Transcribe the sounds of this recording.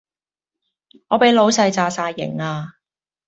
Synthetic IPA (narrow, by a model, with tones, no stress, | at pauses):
ŋɔː˨˧pe˨˥jlo˨˧wsɐ˧jt͡saː˨saː˧jːɪ̰˨˩ŋaː˧